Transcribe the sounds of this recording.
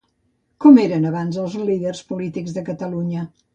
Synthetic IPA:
kɔmeɾənəβanzəlˠzliðərspulit̪iɡzðəkət̪əluɲə

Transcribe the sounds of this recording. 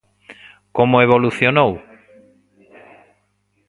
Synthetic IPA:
komoeβ̞oluθjonow

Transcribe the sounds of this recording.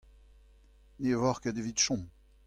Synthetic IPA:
nevɔʁkad̪evit̪ʃɔ̃

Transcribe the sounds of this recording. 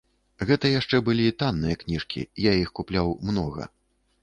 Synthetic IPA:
ɣɛt̪ɐjaʂt͡ʂɛbɨlʲit̪anːɨjɐknʲiʂkʲḭjaixkuplʲawmnɔɣɐ̰

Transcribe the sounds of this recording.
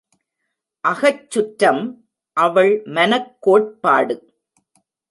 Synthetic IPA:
ʔɐɣɐt͡ʃːʊʈɾɐm | ʔɐʋɐɭmɐnɐkːoːʈ̚pa̰ːɽɯ

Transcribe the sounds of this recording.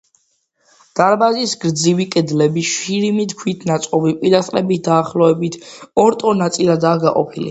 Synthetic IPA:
d̪̥aɾbazisɡɾd̪zivikʼɛd̪lɛbiʃiɾimit̪kʰwit̪ʰnat̪sʼqʼɔbipʼiɾasʼɾɛbit̪ʰd̪aːχlˠɔɛbit̪ʰɔɾt̪ʼɔnat̪sʼilad̪aːɡaqʼɔ̰pʰilḭ

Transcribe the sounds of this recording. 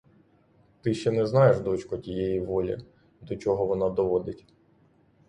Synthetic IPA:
t̪ɪʃt͡ʃɛnɛznɑjeʃd̪ɔt͡ʃkɔtʲijejiʋɔlʲḭ | d̪ɔt͡ʃɔɦɔʋɔnɑd̪ɔʋɔd̪ɪtʲ

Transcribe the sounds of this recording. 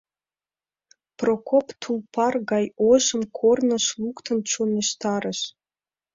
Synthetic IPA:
prokopt̪ʰulpʰɑrɣɑjoʒə̆mkʰornə̆ʃlukt̪ə̆nt͡ɕoneʃt̪ɑɾəʃ

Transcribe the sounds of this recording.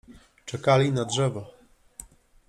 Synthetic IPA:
t͡ʂɛkalʲinadʐɛvɔ

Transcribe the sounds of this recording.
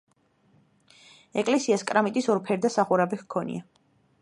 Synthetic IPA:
ɛkʼlɛsiaskʼɾamit̪ʼisɔɾpʰɛɾd̪asaχuɾabiχkʰɔnḭa

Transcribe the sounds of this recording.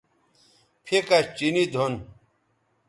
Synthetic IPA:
pʰekat͡ɕinid̪ʱon

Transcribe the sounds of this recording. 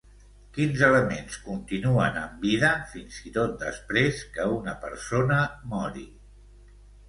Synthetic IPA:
kinzələmenskunt̪inuənəmbiðəfinzit̪ot̪̚d̪ə̰spɾeskəunəpə̰ɾsonəmɔɾi

